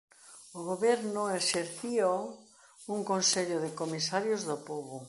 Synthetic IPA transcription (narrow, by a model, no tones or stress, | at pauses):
oɣoβɛɾnoeseɾθio | uŋkõnseʎoðekomisaɾjozðopoβo